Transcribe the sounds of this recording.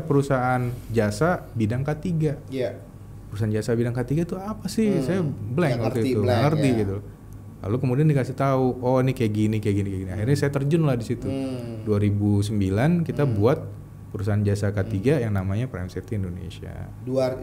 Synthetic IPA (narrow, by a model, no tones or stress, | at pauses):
pəɾusaʔand͡ʒasabidaŋkat̪iɡa | pəɾusaand͡ʒasabidaŋkət̪iɡat̪uapasɪhsajabəlɛŋəiuŋərt̪iɡit̪u | la̰lokəmudiandikasɪt̪auɔnikajaɡinikajaɡinikajaɡiniaɦirɲasajat̪ərd͡ʒʊnlahdisit̪uduaɾibus̬əmbilankit̪abuat̪̚ | pəɾus̬aand͡ʒasakət̪iɡajaŋnamaɲapɾa̰jmsit̪iːndonḛsia̰ | da